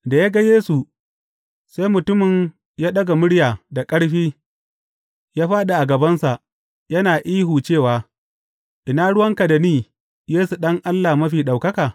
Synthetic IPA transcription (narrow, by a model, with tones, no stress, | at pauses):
da˨ja˦ɡa˦jeː˦su˨ | sa˦jmʊ˨tʊ˦mɪ˨ɲ | jaː˦ɗɐ˦ɡa˨mʊ˦ɽjaː˨da˨kʼɐ˦ɽɸiː˦ | jaː˦ɸaː˦ɗa˨ʔa˨ɡɐ˨bɐ˦nsa˨ʔ | jɐ˦naː˨ʔiː˦ɦuː˨t͡ʃeː˦˨waː˨ | ʔɪ˨naː˦ɽʊ˦wɐ˦ŋka˨da˨niː˦˨ | jeː˦su˨ɗɐ˦ŋʔa˦lːa˨mɐ˦ɸiː˨ɗa˨wkɐ˦kaː˨